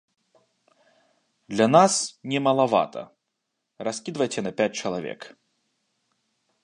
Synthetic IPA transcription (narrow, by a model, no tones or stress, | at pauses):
d̪lʲanasnʲɛmɐlˠava̰t̪ʰɐ̰ | raskʲid̪vɐjt͡sʲɛnɐpʲat͡sʲt͡ʂɐlˠavʲɛ̰k